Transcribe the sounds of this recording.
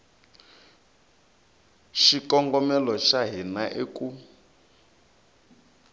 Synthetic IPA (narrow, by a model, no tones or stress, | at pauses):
ʃikɔŋɡɔmɛlɔʃaɦinaʔeku